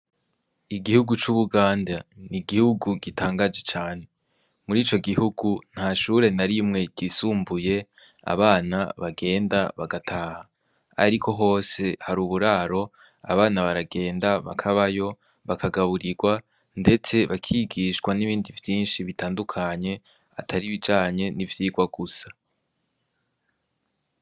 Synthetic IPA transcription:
iɡihuɡut͡ʃuβuɡaːndaniɡihuɡuɡitʰaːŋɡad͡ʒe̞t͡ʃaːne̞ | muɾiːt͡ʃo̞ɡihuɡun̥haːʃuːɾe̞naɾimŋe̞ɟ̥isuːmbuje̞ | a̰βaːnaβaɡe̞ːndaβaɡatʰaːha | a̰ɾikʰo̞ɦo̞ːse̞haɾuːβuɾaːɾo̞ | a̰βaːnaβaɾaɡe̞ːndaβa̰kʰaβajo̞ | βakʰaɡaβuɾiɡwa | nde̞t͡se̞βakʰiɡiʃɡwaniβiːndivjiːnʃiβitʰaːndukʰaɲe̞ | a̰tʰaɾiβid͡ʒaːɲe̞nivjiːɡwaɡusḁ

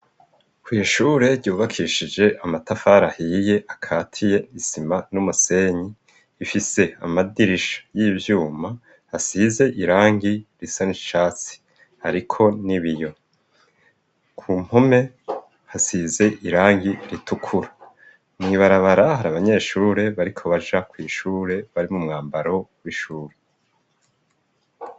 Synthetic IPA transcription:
kwiʃuɾe̞ɾɟuːβakʰiʃid͡ʒe̞ʔamatafaɾahije̞ʔakʰaːtʰije̞isimanumuse̞ɲiː | fise̞a̰madiɾiʃḁjiːvjuːma | hasize̞ʔiɾaːŋɡiɾisaniʃaːt͡si̥ | haɾikʰo̞niβijo̞ | kʰuːm̥home̞ | hasize̞ʔiɾaːŋɡiɾitʰukʰuɾa | mŋiβaɾaβaɾahaɾaβaɲe̞ːʃuːɾe̞βaɾikʰo̞βaʒakwiːʃuːɾe̞βaɾimumŋaːmbaɾo̞wiʃuːɾe

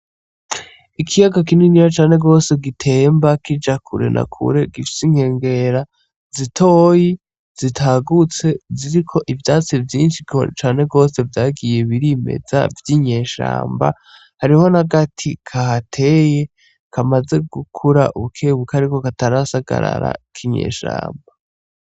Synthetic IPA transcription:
ikʰijaɡakininijat͡ʃaːne̞ɡo̞ːse̞ɡitʰe̞ːmbakid͡ʒakʰuɾe̞̰nʔa̰kʰṵɾe̞ɡifi̥siŋ̥he̞ːŋɡe̞ɾa | zitʰo̞ːji | z̥itʰaːɡut͡se̞ziɾikʰo̞ʔivjaːt͡sivjiːnʃit͡ʃaːne̞ɡo̞ːse̞vjaːɡije̞βiɾime̞̰za̰vjiɲe̞ːʃa̰ːmba̰ | haɾiho̞naɡatʰikʰahatʰe̞je̞ | kʰamaze̞ɡukʰuɾa̰ʔuβukʰeβukaɾikokataɾasaɡa̰ɾa̰ɾa̰kʰiɲe̞̰ːʃa̰ːmba

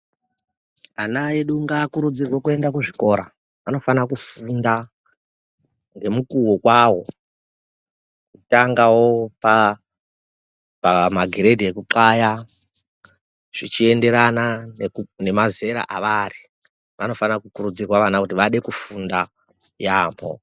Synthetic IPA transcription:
anaeɗuŋɡaːkuɾud͡zirwokue̞ndakuʐiko̞ːɾa | ano̞fanakufunda | ŋɡe̞mukuwokwawo̞ | itaŋɡawo̞pa | pamaɡʱiɾe̞diekuǃaja | ʐ̥it͡ʃie̞nde̞ɾananne̞maze̞ɾa̰ʔaʋari | ʋano̞fanakukuɾud͡zirwaʋanakut̬iʋaɗe̞kufunda | jaːmbo̞̰

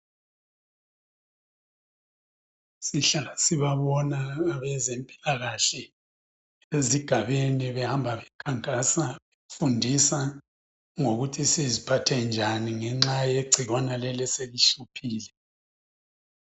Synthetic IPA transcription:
siɬalasiβaβɔnaːβɛzempʼi̥laɣaɬɛ | eziɡ̥ʱaβeniβɛhambʱaβɛkʰaŋkʼasaβefundʱisa | ŋoɣutʰisezipʰatʰɛnd͡ʒʱaniŋɛŋ͡ǁajeɡ͡ǀʱiɣwanalɛlɛseliʃupʰiːlɛ

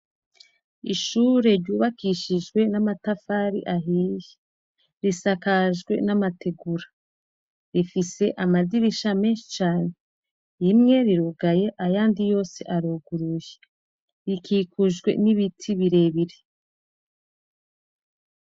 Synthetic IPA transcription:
iʃuːɾe̞ɾɟuːβakiʃiʒɡwe̞namatafaːɾḭʔaɦiːje̥ | ɾisakaʒɡwe̞̰namatʰe̞ɡuɾḁ | ɾifise̞ʔamaziɾiʃame̞ːnʃi̥t͡ʃaːne | jimŋe̞ɾiɾuɡaje̞ʔajaːndijo̞ːse̞̰ʔaɾuɡuɾuje̥ | ɾikiːkʰuʒɡwe̞̰niβitʰiβiɾe̞βiɾe

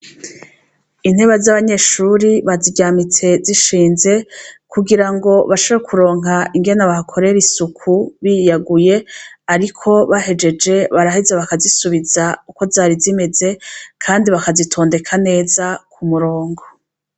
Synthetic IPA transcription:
in̥e̞βazaβaɲe̞ʃuɾiβaziɟaːmit͡se̞ziʃiːnze̞kʰuɡiɾaŋɡo̞βaʃoβekʰuɾo̞ːŋɦaiŋɡe̞naβahakʰo̞ɾe̞ɾisukʰuβijaɡuje̞aɾikʰo̞βaɦe̞d͡ʒe̞d͡ʒe̞βaɾahizaβakazisuβizauko̞zaːɾizime̞ze̞kʰaːndiβakazitʰo̞ːnde̞kʰane̞ːzakʰumuɾoːŋɡo

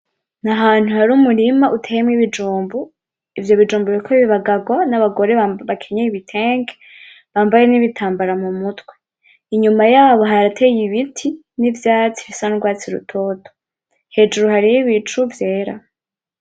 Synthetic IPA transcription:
naɦaːn̥uhaɾumuɾimaʔutʰeːjemŋiβid͡ʒuːmbu | ivjo̞βid͡ʒuːmbuβiikʰoβiβaɡaɡwanaβaɡo̞ɾeβaβakʰe̞ɲeiβitʰe̞ːŋɡe | βaːmbaje̞niβitʰaːmbaɾamumutwe̞ | iɲumajaβoɦaɾatʰe̞jiβitʰi | nivjaːt͡si̥βisanuɡwaːt͡siɾṵtʰo̞ːtʰo̥ | he̞ːd͡ʒuɾuhaɾijiβit͡ʃuvje̞ːɾa̰

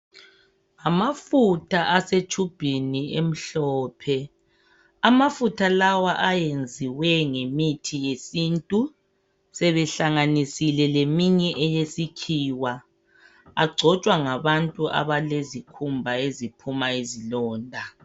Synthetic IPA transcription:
amafutʰaʔaset͡ʃʰʼub̥ʱiniem̩ɬɔːpʰɛ | amafutʰalawaʔajend͡zʱiwɛŋemitʰijesiːntʼu | sɛβɛɬaŋanisilɛlemiɲɛʔɛjesikʰiːwa | aɡ͡ǀʱɔt͡ʃʼwaŋaβantʼuʔa̰βalezikʰumbʱaezipʰumaizilɔːndʱa

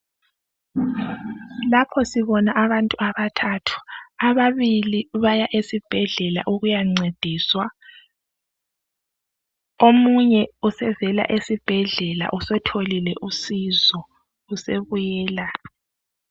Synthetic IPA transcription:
lapʰɔsiβɔnaʔaβantʼuaβatʰatʰu̥aβaβiliβajaʔesib̥ʱɛɮɛla̰ʔuɣujaŋ͡ǀed̥ʱiːswa | omuɲɛusɛvɛla̰ʔesib̥ʱɛɮɛla̰ʔusɛtʰolilɛʔusizɔ | useβujɛːla

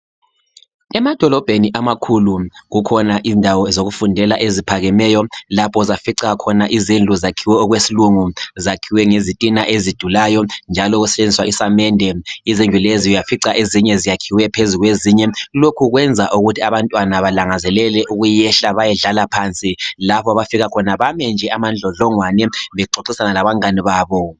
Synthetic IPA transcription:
ɛmad̥ʱɔlɔb̥ʱeniʔamakʰuluɣukʰɔnaʔindʱawɔzoɣufundʱɛlaʔezipʰaɣɛmɛjɔlapʰɔzafiǀaakʰɔnaʔizind͡ɮʱuzakʰiwɛɔɣwesiluŋuzakʰiwɛŋezitʼinaʔezid̥ʱulajɔnd͡ʒʱalɔɣusɛ̥t͡ʃʼend͡zʱiswaʔisamɛndʱɛizind͡ɮʱuleziujafiǀaʔeziɲɛzijakʰiwɛpʰezuɣweziɲɛlokʰuɣwɛnd͡zʱaʔuɣutʰiaβantʼwanaβalaŋazɛlɛlɛʔuɣujɛɬaβajɛɮalapʰant͡sʼilapʰɔaβafiɣakʰɔnaβamɛnd͡ʒʱɛʔamand͡ɮʱɔɮɔŋwanɛβɛǃoǀisanalaβaŋaniβaːβɔ

